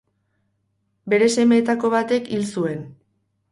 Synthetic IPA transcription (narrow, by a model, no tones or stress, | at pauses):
be̞ɾe̞se̞me̞ːt̪ako̞βat̪e̞kilsue̞n